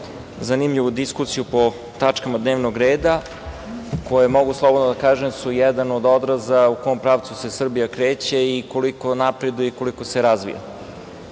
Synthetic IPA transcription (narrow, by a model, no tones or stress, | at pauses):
zanimʎiʋud̪iskusijupo̞ | t̪at͡ʂkamad̪neːʋnoɡɾeːd̪a | ko̞jemo̞ɡuslˠo̞bod̪nod̪akaːʒemsujɛd̪anod̪o̞d̪ɾazaukoompɾaːʋt̪suse̞sr̩bijakɾeːt͡ɕeiko̞liko̞napɾed̪ujeiko̞liko̞seɾazʋḭja̰